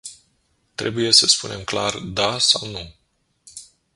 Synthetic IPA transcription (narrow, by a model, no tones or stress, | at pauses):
t̪ɾe̞buje̞səspune̞mkla̰rd̪asawnu